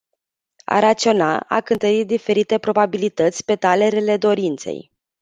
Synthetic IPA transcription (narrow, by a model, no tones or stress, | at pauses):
a̰ɾat̪sio̞na̰a̰kɨnt̪əɾit̪̚d̪ife̞ɾit̪e̞pɾo̞babilit̪ət̪sʲpe̞t̪ale̞ɾele̞d̪o̞ɾint̪se̞̰j